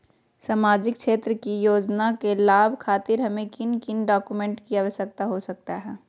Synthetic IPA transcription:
saːmaːd͡ʒɪkkʰʃeːt̪ɾəkijoːd͡ʒnakelaːbʱkʰaːt̪ɪɾɦɐmẽkɪnkɪnɖaːkumɛ̃ːɳʈkiaːʋəsjək̚t̪aɦosɐk̚t̪aɦɛː

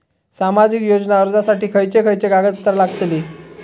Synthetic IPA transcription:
samad͡ʑikjod͡znaəɾd͡zasaʈiːkʰəjt͡ɕekʰəjt͡ɕeɡaɡət̪t̪ːəɾlaɡt̪li

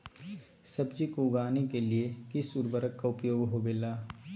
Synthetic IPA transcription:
sɐbd͡ʒikoʊɡaːnekeliekɪsʊɾbəɾəkːaʊpjoːɡɦobeːlaː

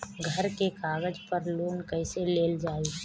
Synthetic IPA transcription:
ɡʱəɾkekaːɡəd͡ʒpəɾloːnkɛɪseleːld͡ʒaːeː

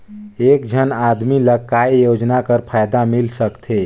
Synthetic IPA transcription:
eːkd͡ʒʱənaːd̪miləkːaːijoːd͡ʒnakəɾpʰaːjd̪amɪlsəkt̪ʰe

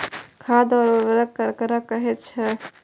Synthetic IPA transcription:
kʰad̪ɔɾoʋəɾək̚ːəɾkəɾakəɦɛt̪̚t͡ʃʰɛ

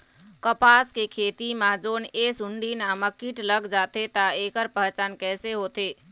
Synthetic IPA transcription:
kəpaːskekʰeːt̪imãːd͡ʒoːnesʊɳɖinãːməkːiʈləɡd͡ʒaːt̪et̪aeːkəɾpəɦt͡ʃaːnkɛːseɦoːt̪eː

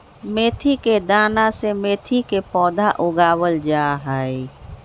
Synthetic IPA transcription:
meːt̪ʰiked̪aːnasemeːt̪ʰikepɔːd̪ʱaʔʊɡaːwəld͡ʒaːɦəe

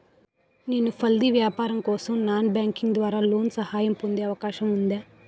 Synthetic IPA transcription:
neːnupʰɐld̪iʋjaːpaːɾɐmkɔːsɐmnaːnbjaːŋkiŋɡd̪ʋaːɾaːloːnsɐhaːjɐmpond̪eːɐʋɐkaːʃɐmund̪eː

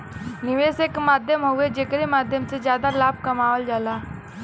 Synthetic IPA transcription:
niʋesekmaːd̪ʱjəmɦoed͡ʑekɽemad̪ʱjəmt͡sed͡ʑjad̪alab̚kɐmaʋəld͡ʒala

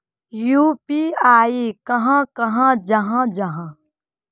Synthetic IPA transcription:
juːpiaːikɐɦãkɐɦãd͡ʒɐɦãd͡ʒɐɦãː

